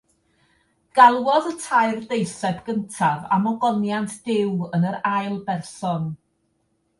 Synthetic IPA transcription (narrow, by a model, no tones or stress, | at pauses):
ɡ̥alˠwɔðətʰaɨrdejsɛbɡ̥əntʰava̰mɔɡɔnjantʰd̥ɪwənəɾajlˠbɛrsɔn